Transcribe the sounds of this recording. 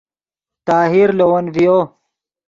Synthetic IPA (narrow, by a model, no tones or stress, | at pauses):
t̪aːɦiɾlowɐnvijoː